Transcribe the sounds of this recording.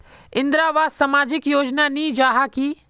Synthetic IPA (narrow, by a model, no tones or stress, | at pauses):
ɪ̃nd̪ɾaːʋaːsɐmaːd͡ʒɪkjoːd͡ʒnaniːd͡ʒaːɦakiː